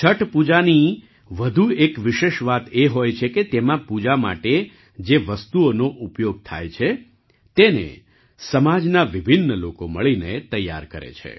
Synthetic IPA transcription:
t͡ʃʰəʈpud͡ʒani | ʋəd̪ʱuekʋɪʃeʃʋat̪eɦojt͡ʃʰeket̪emãpud͡ʒama̰ʈe | d͡ʒeʋəst̪uonoʔupjoɡ̚t̪ʰa̰jt͡ʃʰe | t̪enḛ | səmad͡ʒnaʋibʱinːəlokoməɭinet̪əjːa̰ɾkəɾḛt͡ʃʰḛ

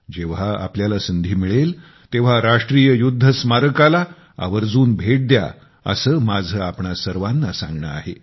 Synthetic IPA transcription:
d͡ʑeʋ̤aa̰pljalasənd̪ʱiːmiɭel | t̪eʋ̤aɾaʂʈɾijəjud̪ʱːəsmaɾəkala | a̰ʋəɾd͡zuːnbʱeʈ̚d̪ja̰ | ə̰səːmad͡zʱəapɳasəɾʋanːasã̰ŋɡɳə̰a̰ɦe

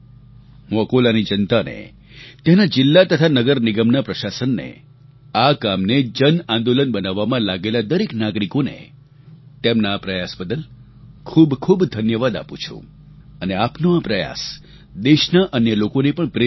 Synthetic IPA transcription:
ɦũəkolanid͡ʒənt̪anḛ | t̪enad͡ʒɪlːat̪ət̪ʰanəɡəɾnɪɡəmnapɾəʃasənːḛ | akamned͡ʒənãnd̪olənbənaʋːamãlaɡelad̪əɾeknaɡɾikonḛ | t̪emnaːpɾəjasbəd̪əl | kʰubkʰubd̪ʱənjəʋad̪a̰pṵ̃t͡ʃʰṵ̃ | əneapnoapɾəja̰s | d̪eʃnaʔənjəlokonepəɳpɾe

